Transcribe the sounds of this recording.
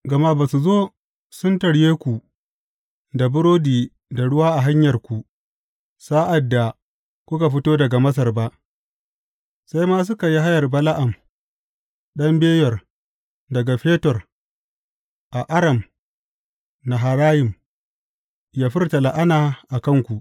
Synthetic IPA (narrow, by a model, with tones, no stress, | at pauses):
ɡɐ˨ma˦baː˨su˨zoː˦ | sʊ˦ntɐ˨ɽjeː˦kʷu˨ | da˨bʊ˦ɾoː˦diː˨ | da˨ɽʊ˦waː˦ʔa˨ɦa˦ɲjɐ˨rkʷu˨ʔ | sa˦ʔa˨dːa˨ | kʷʊ˦ka˨ɸ̬ɪ˦toː˦dɐ˨ɡa˨mɐ˦s̬ɐ˨rba˦ʔ | sa˦jmaː˦s̬ʊ˦ka˨ji˦ɦa˦jɐ˨rbɐ˦la˦ʔa˨m | ɗɐ˦mbeː˦jɔ˨r | dɐ˨ɡa˨ɸeː˦tɔ˨r | ʔa˨ʔa˦ɽɐ˨m | na˨ɦa˨ɾaː˦jɪ˨m | jaː˦ɸɪ˦rtɐ˨la˨ʔa˦naː˨ʔa˨kɐ˦˨ŋkʷu˨ʔ